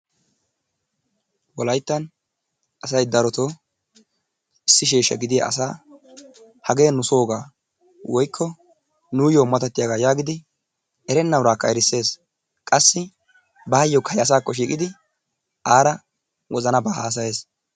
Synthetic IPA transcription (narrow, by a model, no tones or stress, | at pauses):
wɔlɐjt̪ːɐn | ɐsɐjd̪ɐɾɔt̪oː | ɪsːɪʃ̬eːʃːɐɡɪd̪ɪja̰ʔɐ̰saː | hɐɡe̞ːnʊso̞ːɡaː | wɔjkʰːɔ | nuːjoːmɐt̪ɐt̪ːɪjaɡaːjaːɡɪd̪ɪ | ʔɛɾɛnːɐwɾaːkːɐɛɾɪsːe̞ːs | kʼɐsːɪ | baːjːɔkʰɐjɐs̬aːkːɔʃ̬iːkʼɪd̪ɪ | ʔaːɾɐ | wʔɔzɐnɐbaːhaːs̬ɐje̞ːs